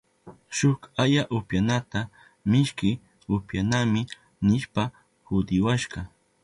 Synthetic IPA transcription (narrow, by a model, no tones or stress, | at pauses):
ʃʊkajaʔʊpjanat̪a | mɪʃkɪ | ʊpjanamɪ | nɪʃpa | hʊd̪ɪwaʃɢɑ